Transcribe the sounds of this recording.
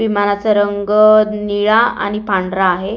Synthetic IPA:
ʋimanat͡səɾəŋɡəniɭaa̰ɽ̃ipaɳɖɾaːɦe

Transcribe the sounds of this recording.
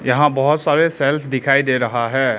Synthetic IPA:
jɐɦãbɐɦʊt̪saːɾesɛlfʰd̪ɪkʰaːid̪eːɾɐɦaɦɛː

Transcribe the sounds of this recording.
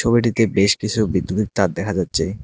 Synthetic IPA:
obeʈ̬it̪ebeʃkit͡ɕʰubid̪ːud̪ik̚t̪aɾd̪ɛkʰad͡ʑatːɕʰe

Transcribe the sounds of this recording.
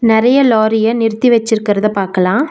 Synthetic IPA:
nɪɾɐjɐloːɾɪjɐnɪɾɯt̪ːiʋɛt͡ʃːɪɾɯkːɪɾɐðɐpaːɾkɐlãː

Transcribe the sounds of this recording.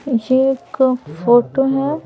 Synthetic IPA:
jeeːkfoːʈoɦɛ

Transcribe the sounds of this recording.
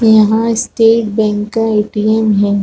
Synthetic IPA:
jɐɦãɪsʈeːʈbɛ̃ːŋkːaeːʈiːemɦɛː

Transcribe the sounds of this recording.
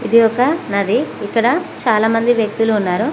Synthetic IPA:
id̪iɔkɐnɐd̪iikːɐɽɐt͡ʃaːlaːmɐnd̪iʋjɐk̚t̪uluːnːaːɾu

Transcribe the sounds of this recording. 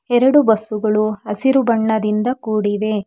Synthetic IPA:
ɛɾɐɽubɐsuɡɐɭuɐsiɾubɐɳːɐd̪ind̪ɐkuːɽiʋe̞

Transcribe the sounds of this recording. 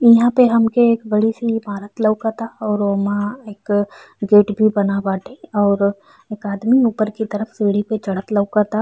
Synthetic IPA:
ɪɦãpeɦɐmkeeːkbɐɽisibʱaːɾət̪lɐʊkat̪ʰaɔːɾmãeːk | ɡeːʈbʱibɐnabaːʈʰẽɔːɾ | eːkaːd̪miuːpəɾkit̪ɐɾəfseːɽipet͡ʃɐɽ̤ət̪lɐʊkat̪ʰa

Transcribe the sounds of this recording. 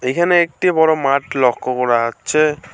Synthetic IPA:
ejkʰaneek̚ʈibɔɾomaʈlɔkʰːokɔɾaatːɕʰe

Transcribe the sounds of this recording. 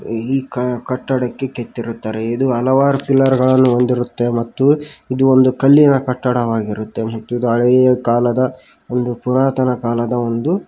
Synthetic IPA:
iːkɐkɐʈːɐɽɐkːe̞ket̪ːiɾut̪ːaːɾeid̪uɐlɐʋaːɾupilːɐɾuɡɐɭɐnːuond̪iɾut̪ːe̞mɐt̪ːuid̪uond̪ukɐlːinɐkɐʈːɐɽɐʋaːɡiɾut̪ːe̞mɐt̪ːuid̪uɐɭɛjɐkaːlɐd̪ɐ | o̞nd̪upuɾaːt̪ɐnɐkaːlɐd̪ɐo̞nd̪u

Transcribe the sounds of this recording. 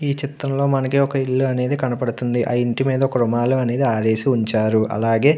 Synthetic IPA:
iːt͡ʃit̪ːɾɐmlo̞ːmɐnɐkiɔkɐiɭːuɐne̞ːd̪ikɐnɐpɐɽut̪und̪iʔɐ̰iɳʈimiːd̪ɐkɾumaːluɐne̞ːd̪iaːɾeːsiuɲt͡ʃaːɾuʔɐ̰laːɡe̞ː

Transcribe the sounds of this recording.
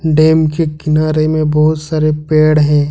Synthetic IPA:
ɖeːmkekɪnaːɾemẽbɐɦʊt̪saːɾepeːɽɦɛ̃ː

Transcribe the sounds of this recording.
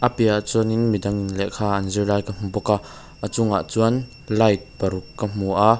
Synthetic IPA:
ʔəpɛaʔt͡suɐnɪnmidɐŋnlɛʔkʰaːʔɐnzirlaːjkam̥upɔka | ʔət͡sʊŋa̰ʔt͡suən | lɐjt̪̚pɐɾukːəm̥uʔa

